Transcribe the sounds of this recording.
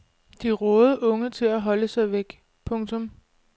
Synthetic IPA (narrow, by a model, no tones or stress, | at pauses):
d̥iʁɔ̽ːð̞ˠʔɔ̽ŋət͡sʰe̝læɦɒ̽ləsɑ̈ɪʋeɡ̥ | pʰɔ̽ŋt͡sʰɔ̽m